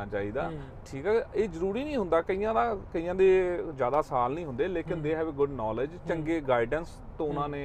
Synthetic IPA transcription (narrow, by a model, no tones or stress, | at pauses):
aːt͡ʃaːiːd̪aː | ʈʰiːkɛːeːzəɾuːɾiːnĩːɦʊnd̪aːkəiːãːd̪aːkəiːãːd̪eːzjaːd̪aːsaːlnəĩːɦʊ̃nd̪eːleːkɪnd̪eːɦɛːʋeːɡʊɖnɔːləd͡ʒt͡ʃəŋɡeːɡaːɪɖəns | t̪õːʊnãːnẽː